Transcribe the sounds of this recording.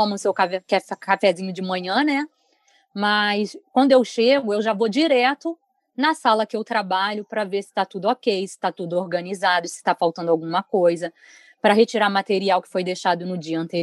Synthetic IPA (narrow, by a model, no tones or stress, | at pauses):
õmɐ̃ʊsewkavɛkɛfkafɛzĩɲʊd͡ʒɪmɐ̃ɲɐ̃nɛ | mɐskwɐ̃nd̪ʊewʃeɡʊewʒavod͡ʒiɾɛt̪ʊ | nɐsalɐkɪewt̪ɾabaʎʊpɾɐveɾsɪ̥t̪at̪ud̪ʊokejsɪ̥t̪at̪ud̪ʊoɾɡɐnizad̪ʊsɪ̥t̪afawt̪ɐ̃nd̪awɡũmɐkojzɐ | pɾɐɦet͡ʃiɾaɾmat̪eɾiawkɪ̥fojd̪ejʃad̪ʊnʊd͡ʒiɐɐ̃nt̪eɾ